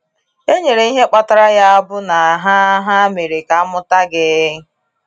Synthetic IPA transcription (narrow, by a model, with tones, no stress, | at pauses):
e˦ɲe˨ɾe˨i˦ɦe˦k͡pa˦ta˦ɾa˦ja˦a˦bʊ˦na˨ɦa˦ɦa˦me˨ɾe˨ka˨a˦mʊ˦ta˦ɡɪ˦